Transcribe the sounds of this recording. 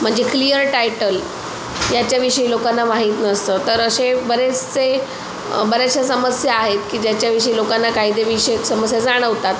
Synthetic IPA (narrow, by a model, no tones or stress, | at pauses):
m̤əɳd͡zeklijəɾʈajʈəl | jat͡ɕjaʋiʂəilokanːamaɦiːt̪nəst̪ət̪əɾəsebəɾet͡st͡se | bəɾaɕjasəməsjaːɦet̪kiːd͡ʑjat͡ɕjaʋiʂəilokanːakaid̪eʋiɕeksəməsjad͡zaɽ̃əʋt̪at̪